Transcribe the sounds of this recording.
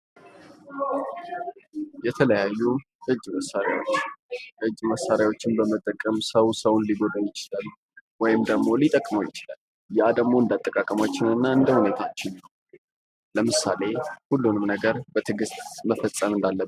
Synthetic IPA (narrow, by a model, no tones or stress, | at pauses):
jɛt̪ʰələjajːu | ʔɨd͡ʒːməsːaɾjawo̞t͡ʃːəɨd͡ʒːməsaɾjawo̞t͡ʃːɪnbəmət̪ʼːəkʼːəmsəwsəwʊnliɡo̞d̪ajɪt͡ʃɪlal | wɔjɪmd̪əɡmo̞lit̪ʼəkʼməwjɪt͡ʃɪla̰l | jad̪əɡmo̞ɨnd̪at̪ʼːəkʼakʼəmat͡ʃːɪnɨnːaɨnd̪əhune̞t̪ʰat͡ʃːɪnəw | ləmɨsa̰le̞hulːunɨmnəɡəɾbət̪ʰɨɡɨst̪məfəsʼːəmɨnd̪alːəb